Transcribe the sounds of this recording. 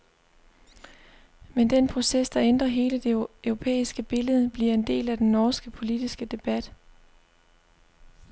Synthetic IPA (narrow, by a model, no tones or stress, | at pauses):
mend̥enpʰʁo̝sesd̥ɑ̈end̥ʁɐɦe̝ːləd̥e̝ʊʁo̝pʰḛːisɡ̥əb̥e̝ləð̞ˠəb̥liɐe̝nd̥e̝̰ːlæd̥enːɒːsɡ̥əpʰo̝lid̥isɡ̥əd̥e̝b̥æd̥